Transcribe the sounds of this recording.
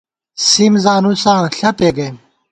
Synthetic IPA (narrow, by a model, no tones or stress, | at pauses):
simzaːnusãːɬɐpeɡɐm